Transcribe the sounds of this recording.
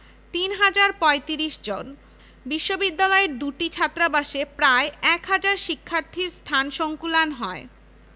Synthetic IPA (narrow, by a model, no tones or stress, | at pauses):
t̪inɦad͡ʑaɾpɔet̪iɾiʃd͡ʑon | biʃːobid̪ːalɔeɾd̪uʈit͡ɕʰat̪ːɾabaʃepɾaeɛkɦad͡ʑaɾʃikʰːaɾt̪ʰiɾst̪ʰanʃoŋkulanɦɔe